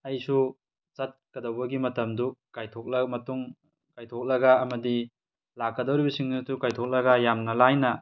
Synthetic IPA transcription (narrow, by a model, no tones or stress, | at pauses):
ɐjsu | zɐt̚kɐdowbɐɡimɐtɐmdukajtʰok̚lɐmɐtuŋ | kajtʰok̚lɐɡɐːmɐdi | lakːɐdowɾibɐsiŋnutukajtʰok̚lɐɡɐjamnɐlajnɐ